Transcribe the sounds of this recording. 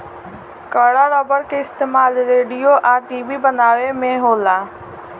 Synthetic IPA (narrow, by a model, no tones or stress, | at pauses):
kəːɽaːɾɔːbəɾkeɪst̪eːmaːlɾeːɽijoʔãːʈiːʋibənaːʋemẽɦoːlaː